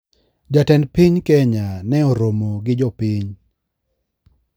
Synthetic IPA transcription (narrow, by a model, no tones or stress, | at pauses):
d͡ʒatɛnpiɲkɛɲanɛɔɾomoɡɪd͡ʒɔpiɲ